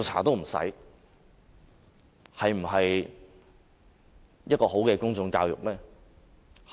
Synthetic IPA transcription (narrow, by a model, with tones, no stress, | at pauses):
t͡sʰa̰ː˨˩t̪o˥wm̩˨˩sɐ̰˨˥j | hɐ˨jm̩˨˩ɦɐ˨j | jɐ˥t̚kɔː˧ho˨˥wkɛː˧kʊ˥ŋt͡sʊ˧ŋkaː˧wjʊ̰˨k̚lɛː˥